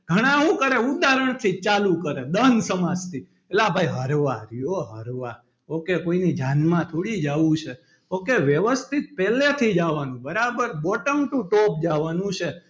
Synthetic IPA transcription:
ɡ̥ʱəɽ̃ãɦũkəɾeud̪aɾəɳ̃t̪ʰit͡ʃalukəɾed̪ənsəmad͡ʒt̪ʰi | elabʱaiɦəɾʋaɾioɦəɾʋa | okekoinid͡ʒanmãt̪ʰuɽid͡ʒaʋũt͡ʃʰe | okeʋjəʋəst̪ʰit̪̚pɛlet̪ʰid͡ʒaʋanũbəɾabəɾbɔʈəŋɡʈ̪ũʈɔp̚d͡ʒaʋanũt͡ʃʰe

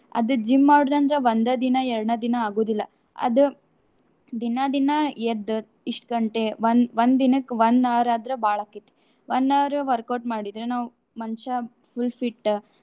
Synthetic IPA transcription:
ɐ̰d̪ud͡ʒimːaːɽd̪ɐnd̪ɾeʋɐnd̪ɐd̪inɐɛɾɽnɐd̪inɐaːɡoːd̪ilːɐ | ɐ̰d̪u | d̪inɐd̪inɐed̪ | iʂʈkɐɳʈeʋɐnʋɐnd̪ːinɐkːʋɐnd̪aːɾaːd̪ɾɐbaːɭɐkːit̪ːe̥ | ʋɐnd̪aːɾuʋɐɾkɐɾʈmaːɽid̪ɾenaːʋu | mɐnʃɐ | pʰulpʰiʈː

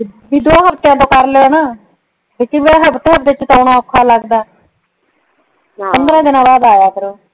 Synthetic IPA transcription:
biːd̪oãːɦəbt̪jãːt̪̬õːkəɾleːnaː | bɪkĩbɛɦəbt̪eːɦəbd̪eɪt͡ʃt̪oːɽãːəkʰːaːləɡd̪aː | pənd̪ɾãːd̪ɪnãːbaːd̪aːjaːkəɾoː

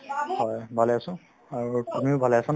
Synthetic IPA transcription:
hɔjbʱalɛjasʊ̃ | aɹukɔmiʊbʱalɛjasan

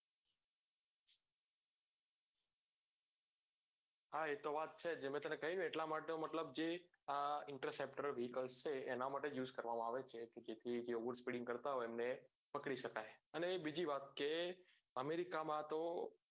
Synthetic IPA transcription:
ɦaet̪oʋat̪̚t͡ʃʰed͡ʒemẽt̪əmnekəɦinũeʈlamaʈeomət̪ləbd͡ʒe | aɪɳʈɾasepʈəɾʋiɦikəlst͡ʃʰeːnamaʈejuzkəɾʋamãaʋet͡ʃʰeked͡ʒet̪ʰid͡ʒeoʋəɾspiɽɪ̃ŋɡkəɾt̪aɦoemne | pəkɽiʃəkajənebid͡ʒiʋat̪̚ke | əmeɾikamãt̪o

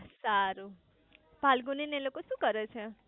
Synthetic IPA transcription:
saɾu | bʱalɡunenelokosukʌɾʌt͡sʰʌ

